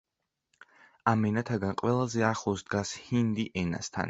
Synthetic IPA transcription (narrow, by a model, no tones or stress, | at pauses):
amɛnat̪ʰaɡanqʼwɛlˠazɛaχlˠɔsd̪ɡashind̪iʔɛna̰st̪ʰa̰n